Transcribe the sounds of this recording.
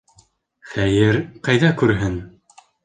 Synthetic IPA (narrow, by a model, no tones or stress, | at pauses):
χæjɘɾqɑjðɑkʉɾɦɘn